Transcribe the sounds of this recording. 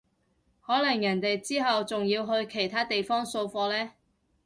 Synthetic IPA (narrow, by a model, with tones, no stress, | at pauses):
hɔː˨˥lɐ˨˩ŋjɐ˨˩nt̪e˨jt͡siː˥ɦɐ˨wt͡sʊ˨ŋjiː˧wɦɵ˧ɥkʰe˨˩jt̪ʰaː˥t̪e˨jfɔː˥ŋso˧wfɔː˧lɛː˥